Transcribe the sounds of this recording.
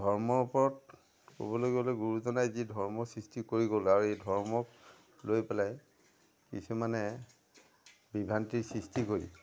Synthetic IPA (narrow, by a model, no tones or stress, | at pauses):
dʱɔɹmɔɹupɔɹɔt | ko̰bɔloɡiɔlojɡuɹuzɔnajzidʱɔɹmɔsɹistikoɹiɡolaɹuejdʱɔɹmɔk̚ | lojpɛlaj | kisumanɛ | bibʱantiɹsɹistikoɹḭ